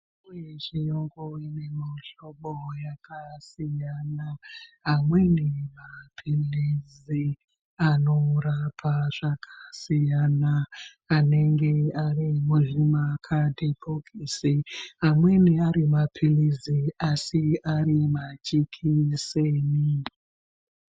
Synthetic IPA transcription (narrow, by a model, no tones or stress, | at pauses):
wet͡ʃijoŋɡoinemoɬoɓojakʰasijanaɦamwenimapʰiliz | i | ano̞rapʰaʐ̥akʰḁsijanaː | ne̞ŋɡe̞arimuʐimakʰadʱebʰoɡʱisiɦamwe̞niaɾimapʰiliziasiaɾimat͡ʃikʰiseːni